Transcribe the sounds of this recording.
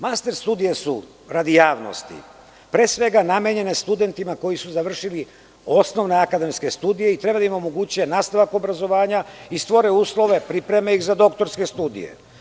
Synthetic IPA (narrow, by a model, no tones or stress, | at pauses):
mast̪e̞ɾst̪uːd̪ije̞su | ɾad̪ijaːʋno̰st̪ḭ | pɾesʋe̞ɡanamjeɲe̞ne̞st̪ud̪e̞nt̪imako̞jisuzaʋr̩ʃili | o̞sno̞ʋne̞akad̪e̞mske̞st̪uːd̪ije̞it̪ɾe̞bad̪aimo̞mo̞ɡuːt͡ɕujenaːst̪aʋako̞bɾazo̞ʋaːɲaist̪ʋo̞ɾeuːslˠo̞ʋe̞pɾipɾe̞meixzad̪o̞kt̪o̞ɾske̞st̪uːd̪ḭje̞̰